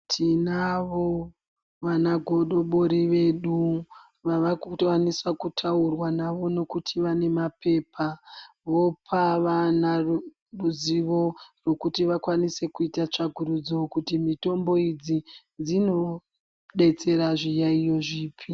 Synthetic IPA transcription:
tʰinaʋo | ʋanaɡʱo̞ɗo̞ɓoɾiʋe̞ɗu | ʋaʋakuwanisakutʰaurwanaʋo̞no̞kutʰiʋane̞mape̞ːpʰa | ʋo̞pʰaʋanar | ruziʋo̞rwe̞kutiʋakwanise̞kuitat͡ʃaɡʱuɾud͡zokutimito̞mbo̞id͡zi | d͡zino̞ | ɗe̞t͡se̞ɾaʐijaijo̞ʐiːpʰi

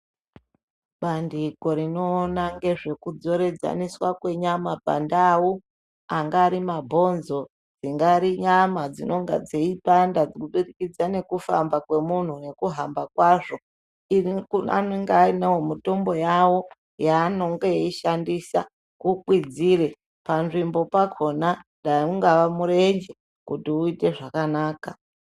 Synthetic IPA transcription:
ɓandiɡo̞ɾino̞ːnaŋɡe̞ʐe̞kud͡zo̞ɾe̞d͡za̰niswakwe̞ɲamaba̰ndaːwo | aŋɡaːɾimabʱo̞nzo̞ | d͡ziŋɡaɾiɲamad͡zino̞ŋɡa̰d͡zeipandad͡zkuɓirikid͡zane̞kufa̰mbakwe̞mun̤une̞kuɦambakwaːʐo̞ | ikuna̰neŋɡainawomito̞mbo̞jawo̞ | jaːno̞ŋɡejiʃandisa̰ | kukwid͡zire̞ | panʐimbo̞pakʰo̞na | ɗaiuŋɡaʋamuɾe̞ɲd͡ʒe | kutiuite̞ʐakanaːka

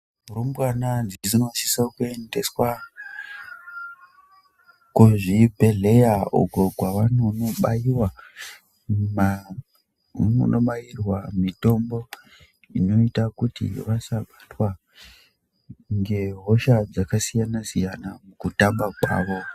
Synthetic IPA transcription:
urombwananzizino̞si̥sakue̞nde̞swa | kuʐibe̞ɮe̞jao̰ɡʱoɡʱwaʋanonoɓajiwa | ma | no̰nʔoɓajirwamito̞mbo̞ | ḭno̞itakutḭʋasaɓatwa | ŋɡe̞ɦo̞ʃad͡zakasijanasijanamukutambakwa̰ːʋo̞

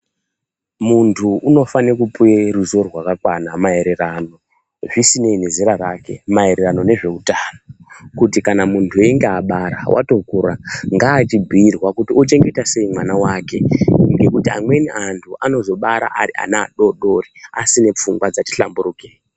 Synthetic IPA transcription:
muntʰuʔuno̞fanekupweɾuzo̞rwakakwanamae̞ɾerano̞ | ʐisine̞ne̞ziɾaraːke̞̰mae̞ɾerano̞ne̞ʐe̞utanokutikanamuntʰue̞ŋɡeaɓaɾa̰wʔa̰to̞kuɾaŋɡaːt͡ʃibʱiːrwakutiot͡ʃe̞ŋɡe̞tase̞imwanawake̞ŋɡe̞kutiamwe̞niʔantʰuʔano̞zo̞ɓaɾa̰ʔaɾiʔa̰naa̰ɗo̞ɗo̞ria̰sine̞p͡fuŋɡwad͡zati̥ɬambuɾuːke

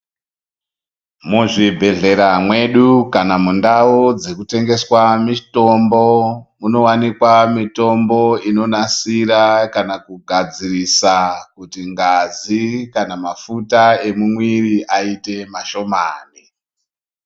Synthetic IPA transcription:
muʐibʱe̞ɮe̞ɾamwe̞ɗukanamundaod͡zekute̞ŋɡe̞swamito̞mbomuno̞wanikwamito̞mbo̞ino̞nasiɾakanakuɡʱad͡zirisakutiŋɡazikanamafutae̞mumwiriʔaite̞maʃo̞maːni

